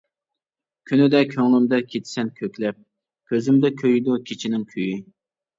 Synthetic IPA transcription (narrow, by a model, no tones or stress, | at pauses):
kʲʰynɪd̪ɛkʲʰøŋlɪmd̪ɛkʲʰet̪ʰsɛnkʲʰøkʲlɛp̚ | kʲʰøzɪmd̪ɛkʲʰøjd̪ukʲʰit͡ʃʰinɪŋkʲʰøjy